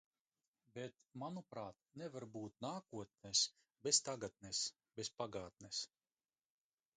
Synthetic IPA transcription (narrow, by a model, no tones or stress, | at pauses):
bet̪manupɾaːt̪nɛvaɾbuːt̪̚naːkuɔt̪̚nɛs | best̪aɡat̪̚nes | bespaɡaːt̪̚nɛs